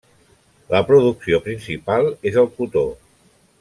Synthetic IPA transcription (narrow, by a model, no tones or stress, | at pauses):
ləpɾuðuksiopɾinsipalˠezəlˠkut̪o